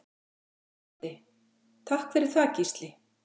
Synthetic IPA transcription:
ɪ | t̪ʰahkvɛɾɪɾ̥θaːcist̪lɪ

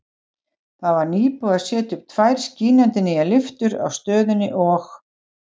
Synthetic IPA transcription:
θaðvaɾniːpuḁsjɛːt̪ʏpt̪ʰvajɾ̥sciːnant̪ɪnːɪalɪft̪ʏɾa̰wst̪œːðʏnːɪʔɔx

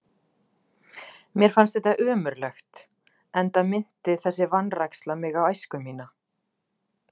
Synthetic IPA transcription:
mjɛɾ̥fanst̪θɛht̪aʔœːmʏɾlɛxt̪ | ɛnt̪amɪn̥t̪ɪθɛsːɪvanrajkslamɪɣawajskʏmːiːna

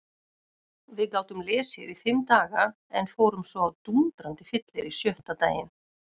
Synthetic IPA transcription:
vɪðkaːwt̪ʏmlɛːsɪðifɪmːt̪aːɣa | ɛnfoːwɾʏmsvɔawt̪unt̪ɾant̪ɪfɪt̪lɪɾisjœht̪at̪aːjɪn

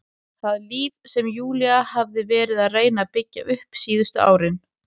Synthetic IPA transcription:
θaðliːvsɛmjuːliahavðɪvɛːɾɪðaðreːjnapɪcːa̰ʔʏhpsiːðʏst̪ʏa̰ːwɾɪn

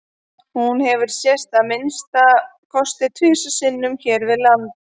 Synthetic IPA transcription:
hunhɛvʏɾ̥sjɛst̪amɪnst̪akʰɔst̪ɪt̪ʰvʏːsʏsɪnːʏmçɛːɾvɪðlant̪

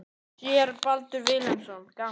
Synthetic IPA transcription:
jɛɾpalt̪ʏɾvɪːlɛnsɔnka

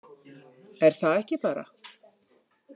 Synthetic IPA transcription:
ɛɾ̥θaðɛhcɪpaːɾa̰

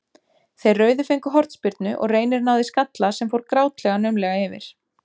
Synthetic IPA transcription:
θejrːœːɥðʏfejŋkʏɦɔɾ̥t̪spɪɾt̪̚nʏʔɔ̰ɣreːjnɪɾnawðɪskat̪lasɛmfowɾkɾaːwt̪lɛɣanœɥmlɛɣaɪvɪ̰ɾ̥

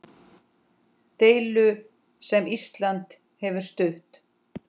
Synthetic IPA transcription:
t̪eːjlʏ | sɛmist̪lant̪ | hɛvʏɾ̥st̪ʏht̪

